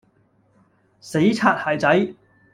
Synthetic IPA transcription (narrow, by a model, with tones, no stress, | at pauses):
se˨˥jt͡sʰaː˧t̚haː˨jt͡sɐ˨˥j